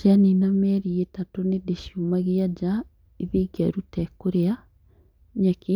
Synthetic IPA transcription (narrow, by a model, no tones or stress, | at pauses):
aninamɛɾietatonedeʃjumaɣiad͡ʒa | iβeːɡaɾutɛkoɾea | ɲake